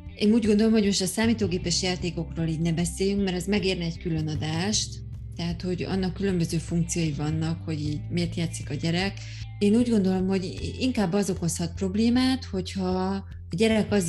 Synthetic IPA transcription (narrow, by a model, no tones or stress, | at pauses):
eːnuːɟɡo̞nd̪o̞lo̞mhoɟmo̞ʃt̪ɒsaːmiːt̪oːɡeːpɛʃjaːt̪eːko̞kroːliːɟnɛbɛseːjyŋkmɛɾɛzmɛɡeːrnɛɛckylø̞nɒd̪aːʃt̪ | t̪ːɛɦat̪ho̞ɟɒ̰nːɒkːylø̞mbø̞zøːfuŋk̚t̪sijojivɒnːɒkho̞ɟiːɟmeːrt̪jaːt̪sikɒɟɛɾɛk | eːnuːɟɡo̞nd̪o̞lo̞mho̞ɟiŋkaːbːɒzo̞ko̞shɒt̪̚pro̞bleːmaːt̪ho̞chɒː | ɟɛɾɛkɒz